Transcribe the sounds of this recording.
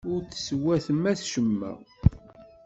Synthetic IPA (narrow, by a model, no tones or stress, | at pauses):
ʊɾt͡ssəwæθəmæsʃəmːæ̰